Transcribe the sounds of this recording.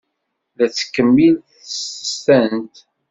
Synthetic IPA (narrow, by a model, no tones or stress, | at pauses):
ðæt͡sːə̥kːəmːilθəsə̥st̪ænt̪